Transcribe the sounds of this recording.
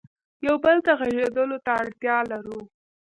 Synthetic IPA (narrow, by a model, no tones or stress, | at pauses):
jawbəlt̪aɣaʒed̪əlot̪aːɽt̪jɑlaɾu